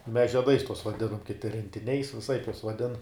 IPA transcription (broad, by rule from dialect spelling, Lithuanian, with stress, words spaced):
mʲɛs ʒʲiɛˈdɐɪs tuɔs ʋɐˈdʲɪnɐm kʲɪˈtʲɪ rʲɛnʲtʲɪˈnʲɛɪs ʋʲɪˈsɐɪp juɔs ʋɐˈdʲɪn